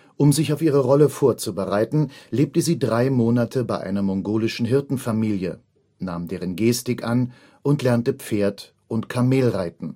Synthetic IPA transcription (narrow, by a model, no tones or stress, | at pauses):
ʔʊmzɪçaʊfʔiːʁ̞əʁɔləfoːɐt͡subəʁaɪtn̩leːp̚təziːdʁaɪmoːnatʰəbaɪʔa̰ɪnɐmɔŋɡoːlɪʃn̩ɦɪɐtn̩famiːljə | naːmdeːʁ̞ənɡeːstɪkʔan | ʔʊntlɛɐntəp͡feːɐt | ʔʊntkʰameːlʁaɪtn̩